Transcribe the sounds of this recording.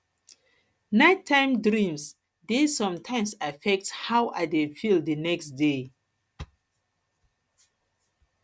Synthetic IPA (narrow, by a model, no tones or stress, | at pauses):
natʰːãɪ̃mdɹĩms | desɔ̃mtʰãɪ̃msafɛk̚thawʔadefildənɛkstde